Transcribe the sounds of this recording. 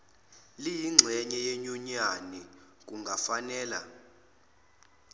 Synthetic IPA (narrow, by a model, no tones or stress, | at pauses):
lijiŋ͡ǀʱɛɲɛjeɲuɲani | k̬ʼuŋɡʱafanɛːla̰